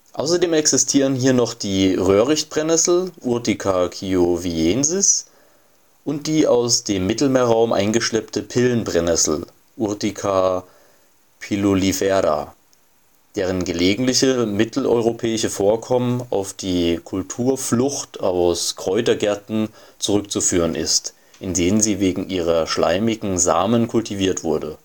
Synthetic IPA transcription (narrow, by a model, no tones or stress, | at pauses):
ʔaʊsɐdeːmɛksɪstʰiːʁənɦiːɐnɔχd̥iːʁøːʁɪçtb̥ʁ̥ɛnɛsl̩ʔʊɐdikʰakʰiovieːnzɪs | ʔʊnt̚d̥iːaʊsd̥eːmːɪtl̩meːɐʁaʊmʔa̰ɪnɡəʃlɛptəpʰɪlənbʁ̥ɛnɛsl̩ | ʔʊɐdikʰa | pʰilolifɛɐda̰ | d̥eːʁ̞ənɡəleːɡŋ̩tlɪçəmɪtʰl̩ʔɔ̰ʏʁopʰɛːɪʃəfoːɐkʰɔməna̰ʊfd̥iːkʰʊltʰuːɐflʊçtaʊskʁ̥ɔʏtɐɡɛɐtn̩t͡suʁʏk̚t͡sufyːʁ̞ənʔɪ̰st | ʔɪndeːnənziːveːɡŋ̩ʔiːʁɐʃla̰ɪmɪɡŋ̩za̰ːmənkʰʊltiviːɐtv̥ʊɐdə